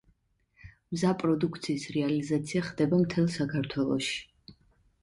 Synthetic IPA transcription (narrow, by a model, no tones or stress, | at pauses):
mzapʼɾɔd̪ukʰt̪sʰiːsɾɛalizat̪sʰiaχd̪ɛbamt̪ʰɛlˠsakʰaɾt̪ʰwɛlˠɔ̰ʃi̥